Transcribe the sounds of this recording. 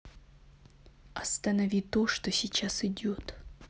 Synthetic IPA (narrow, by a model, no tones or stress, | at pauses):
ɐst̪ɐnɐvʲit̪oʂt̪osʲit͡ɕasɪdʲo̞t̪